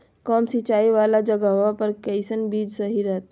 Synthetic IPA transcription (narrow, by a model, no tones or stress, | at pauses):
kɔːmsit͡ʃaːiʋaːlad͡ʒɐɡaʋapɐɾkɛɪsənbiːd͡ʒsɐɦiɾəɦt̪